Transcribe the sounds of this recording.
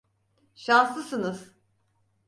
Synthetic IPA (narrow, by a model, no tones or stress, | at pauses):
ʃanslˠɯsɯnɯz̥